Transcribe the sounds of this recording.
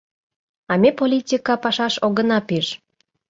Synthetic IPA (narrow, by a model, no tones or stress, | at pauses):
ɑmʲepolʲitʲikɑpɑʃɑʃoɣənɑpiʃ